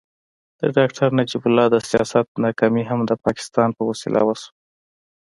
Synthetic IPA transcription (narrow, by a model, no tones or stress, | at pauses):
d̪̥ə̰ɖɑkʈʰaɾnad͡ʒibʊlːɑd̪əsijɑsat̪̚nɑkɑmiɦamd̪əpɑkɪ̥st̪ɑnpəwasḭlʔa̰wasu̥